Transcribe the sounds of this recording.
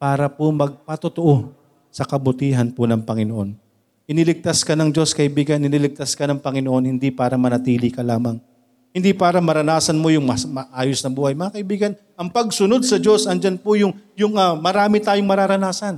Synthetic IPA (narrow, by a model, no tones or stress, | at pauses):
paːɾɐpomɐɡ̚pɐt̪ot̪oʔo | sɐkɐbʊt̪iːɦɐnpʊnɐŋpɐŋɪnoʔo̞n | ʔɪnɪlɪɡ̚t̪askɐnɐŋd͡ʒo̞skɐʔɪbiːɡɐnɪnilɪɡ̚t̪askɐnɐŋpɐŋɪnoʔo̞nhɪnd̪ipaːɾɐmɐnɐt̪iːlɪkɐlaːmɐŋ | hɪnd̪ipaːɾɐmɐɾɐnaːsɐnmo̞jʊŋmɐsmɐʔaːjosnɐbuːhɐjmɐŋakɐʔɪbiːɡɐn | ʔɐŋpɐɡ̚sʊno̞d̪̚sɐd͡ʒo̞sɐnd͡ʒanpʊjʊŋjʊŋʔɐmɐɾaːmɪt̪aːjoŋmɐɾaɾɐnaːsɐn